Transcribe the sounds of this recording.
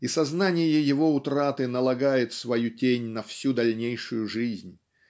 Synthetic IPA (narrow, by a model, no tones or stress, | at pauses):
isɐznanʲɪjəjɪvo̞ʊt̪ɾat̪ɨnəlˠɐɡajɪt̪svɐjutʲenʲnɐfsʲud̪ɐlʲnʲejʂʊjʊʐɨzʲnʲ